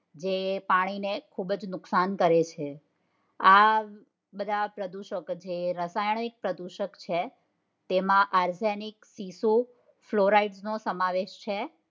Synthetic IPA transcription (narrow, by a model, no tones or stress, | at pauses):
d͡ʒepaɽ̃inekʰubd͡ʒnʊksankəɾet͡ʃʰe | a | bəd̪ʱapɾəd̪uʃəkd͡ʒeɾəsajəɳik̚pɾəd̪uʃəkt͡ʃʰe | t̪emãʔaɾseniksisu | floɾaiɖsnosəmaʋeʃt͡ʃʰe